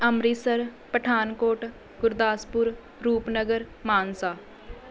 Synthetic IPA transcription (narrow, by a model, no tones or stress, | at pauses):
əmɾiːsəɾ | pəʈʰaːnkoːʈ | ɡʊɾd̪aːspʊɾ | ɾuːpnəɡəɾ | maːnsaː